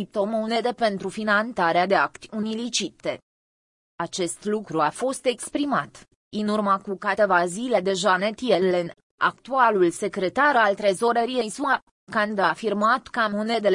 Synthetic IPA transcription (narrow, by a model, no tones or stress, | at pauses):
it̪omone̞d̪e̞pe̞nt̪ɾufinant̪aɾead̪e̞akt̪ʲunilit͡ʃit̪ːe̞ | at͡ʃe̞st̪lukɾuafo̞st̪e̞kspɾimat̪ | ɨnurməkukat̪evazile̞d̪e̞ʒanet̪ijelen | a̰kt̪ualulse̞kɾe̞t̪aɾalt̪ɾezo̞ɾeɾiejsua | kand̪afirmat̪kəamone̞d̪e